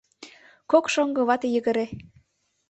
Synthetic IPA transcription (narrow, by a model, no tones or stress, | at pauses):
kokʃoŋɡɤ̆βɑt̪ejəɣə̆ɾe